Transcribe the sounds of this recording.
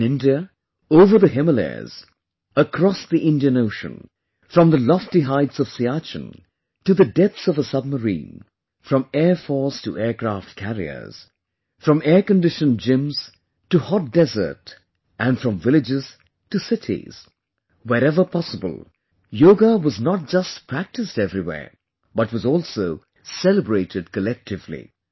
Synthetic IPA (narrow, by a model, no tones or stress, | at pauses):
ɪ̃ndiə | oʊvə˞ðɨɦɪməlɛ̰z̥ | əkʰɹ̥ɔsðiʔɪ̃ndiɨ̃noʊʃɨ̰̃n | fɹʌ̃mðəlɔftiɦaɪtsʌv̥siat͡ʃɨ̰̃n | tɨðɨdɛpsʌvəsʌb̚məɹḭ̃n | fɹʌ̃mɛɹfɔɹstʰɨ̰ʔɛɹkʰɹ̥æft̚kʰæɹḭə̰˞z̥ | fɹʌ̃mɛɹkɨ̃ndɪʃɨ̃nd͡ʒɪ̃mz̥ | tɨhɑt̚d̥ɛzə̰˞t | ʔɨ̃nfɹʌ̃ɱvɪlɨd͡ʒɪz̥ | tɨsɪɾʰḭz̥ | wɛɾɛvə˞pʰɑsəbə̰l̩ˠ | joʊɡəwʌznət̚d͡ʒ̥ʌstpʰɹ̥æk̚tɨstɛvɹiwɛ̰ː | b̥ʌt̚wʌzɔlˠsoʊ | sɛlˠəbɹeɪɾɨd̚kɨlɛk̚tʰɨvlḭ